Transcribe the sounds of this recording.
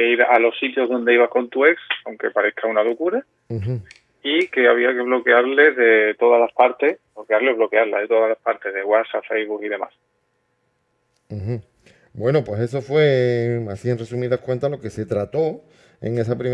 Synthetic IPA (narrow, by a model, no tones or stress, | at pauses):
keiβaʔalo̞sit̪jo̞zðo̞nd̪e̞iβahko̞nt̪ue̞ksawŋke̞paɾe̞hkʰaunalukuɾa | ike̞aβ̞iake̞β̞lo̞ke̞aɾle̞ðe̞t̪o̞ðalapaɾt̪e̞blo̞keaɾleβlo̞keaɾla̰ðe̞t̪o̞ðalaspaɾt̪e̞ðeɣwasapfejβukiðe̞ma̰s | h̩ | bwe̞nopwe̞se̞s̬o̞fwe̞asienre̞sumiðahkwe̞nt̪alo̞ke̞se̞t̪ɾat̪o̞ | ḛŋe̞s̬apɾim